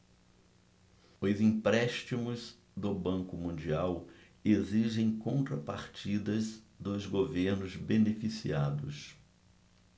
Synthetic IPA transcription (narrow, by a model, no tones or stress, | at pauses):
ʊzĩmpɾɛʃt͡ʃimʊz | d̪ʊbɐ̃ŋkʊmũnd͡ʒiaw | eziʒẽj̃kõnt̪ɾɐpaɾt͡ʃid̪ɐz | d̪ʊzɡoveɾnʊzbenefisiad̪ʊs